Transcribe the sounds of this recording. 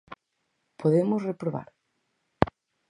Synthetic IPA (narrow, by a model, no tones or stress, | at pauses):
pʰoðemosrepɾoβa̰ɾ